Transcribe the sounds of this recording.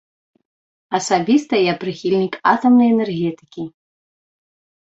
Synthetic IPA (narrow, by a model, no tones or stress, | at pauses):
asabʲist̪ɐjaprɨxʲilʲnʲikat̪omnəjenerɣʲet̪i̥kʲi